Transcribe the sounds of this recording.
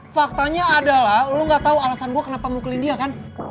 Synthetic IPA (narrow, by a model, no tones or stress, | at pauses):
fak̚t̪aɲaːdalahuluŋɡat̪aualasanɡuakənapamuklɪndiakan